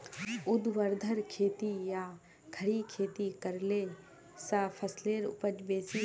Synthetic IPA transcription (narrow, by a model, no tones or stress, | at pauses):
ʊd̪ʋəɾd̪ʱəɾkʰeːt̪ijaː | kʰəɽikʰeːt̪ikəɾle | saːpʰəsleːɾʊ̰pəd͡ʒbeːsi